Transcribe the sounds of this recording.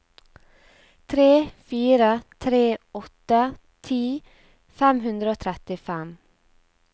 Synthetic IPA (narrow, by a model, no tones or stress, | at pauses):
t̪ʰɾeːfiːɾət̪ʰɾeːɔt̪ə | t̪ʰiː | fæmhʉnd̪ɾəoːt̪ʰɾɛt̪ɪfɛm